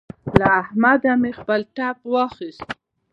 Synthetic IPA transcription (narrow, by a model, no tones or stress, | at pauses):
laːhmad̪amexpəlʈapwɑxist̪